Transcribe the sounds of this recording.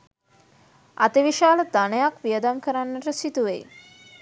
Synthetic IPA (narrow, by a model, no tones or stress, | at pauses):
a̰t̪iʋiʃaːld̪anjakʋijəd̪amkəɾanːɐɾɐsit̪uʋḛː